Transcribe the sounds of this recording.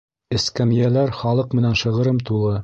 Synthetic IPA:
ɘ̆skæmijælæɾχɑlˠɤqmɘ̆nænʃɤ̆ʁɤ̆ɾɤmt̪ulˠɤ

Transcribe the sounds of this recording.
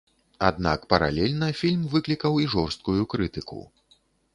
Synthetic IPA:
ad̪nakpɐɾa̰lʲɛlʲnɐfʲilʲmvɨklʲikɐwiʐɔrst̪̚kujukɾɨt̪ɨkṵ

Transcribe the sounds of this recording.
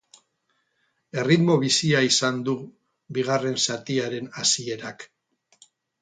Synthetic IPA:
e̞rit̪mo̞β̞isiaisand̪u | βiɣ̞are̞nsat̪iaɾe̞nasie̞ɾak

